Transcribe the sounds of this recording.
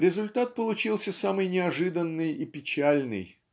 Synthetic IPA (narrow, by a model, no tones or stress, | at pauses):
ɾʲɪzʊlʲt̪at̪̚pəlˠʊt͡ɕilˠsʲəsamɨjnʲɪɐʐɨd̪ənːɨjipʲɪt͡ɕælʲnɨ̰j